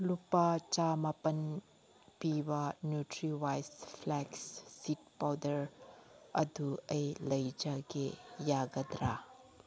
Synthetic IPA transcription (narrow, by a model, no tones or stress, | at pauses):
lupat͡ʃamɐpɐn | pibɐnjutɾiwajspʰlɛksːit̚pawdɐɾ | ɐ̰duɐjlɐjd͡ʒaɡejaɡɐd̪ɾa